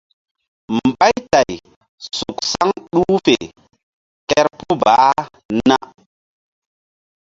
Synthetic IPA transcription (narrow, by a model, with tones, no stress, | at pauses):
mm˨ba˦jta˨j | su˨ksa˦ŋɗu˦fḛ˨ | kɛ˦ɾpu˦baː˨˦ | na˦